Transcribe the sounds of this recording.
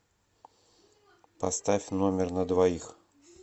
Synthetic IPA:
pɐst̪afʲnomʲɪrnəd̪vɐix

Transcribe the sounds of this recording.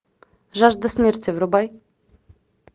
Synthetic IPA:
ʐaʐd̪ɛsʲmʲɛɾt͡ɕɛvɾɔbaj

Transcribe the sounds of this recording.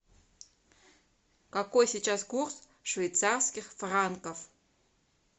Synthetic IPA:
kakojsʲit͡ɕaskurs | ʂvʲejt̪sarskʲɪxfrankəf

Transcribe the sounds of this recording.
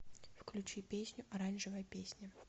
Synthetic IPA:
fklʲut͡ɕipʲesʲnʲʊʔɐɾanʲʐɨvɐjɐpʲesʲnʲi

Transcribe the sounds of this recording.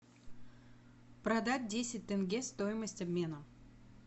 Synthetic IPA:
pɾɐd̪at̚ʲdʲesʲɪt̚ʲt̪ɨnɡʲest̪ojɪməsʲtʲɐbmʲe̞nə

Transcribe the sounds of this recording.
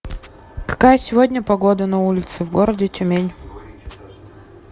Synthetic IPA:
kɐ̥kajəsʲɪvodʲnʲəpɐɡod̪ənɐulʲɪt̪sɨvɡoɾədʲɪtʲʊmʲenʲ

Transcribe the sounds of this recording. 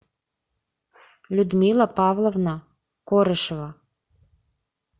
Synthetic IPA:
lʲud̪milˠɑpɑvlˠovnɑ | koɾəʃβɑ

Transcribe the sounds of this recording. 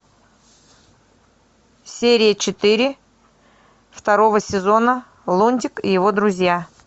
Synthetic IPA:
sʲeɾʲɪjət͡ɕɪt̪ɨɾʲɪ | ft̪ɐɾo̞vəsʲɪzo̞nə | lˠonʲd̪ʲɪkɪjɪvo̞d̪ɾʊzʲja

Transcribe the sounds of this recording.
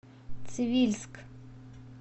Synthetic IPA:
t̪sɪʋʲilʲsk

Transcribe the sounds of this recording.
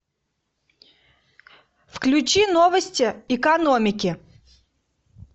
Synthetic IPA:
fklʲʉt͡ɕinovəsʲtʲɪɪkɐnomʲɪkʲɪ

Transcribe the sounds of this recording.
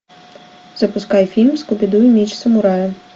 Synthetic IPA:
zɐpʊskɑjfʲilʲmskɔbʲid̪ujʊmʲit͡ʃsɐmʊɾɑjʊ

